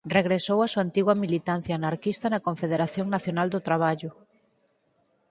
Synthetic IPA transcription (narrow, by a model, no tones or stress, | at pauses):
reɣɾesowasuant̪iɣwɐmilit̪an̟θjaːnaɾkist̪ɐnɐkoɱfeðeɾaθjoŋnaθjonald̪ʊt̪ɾaβ̞aʎʊ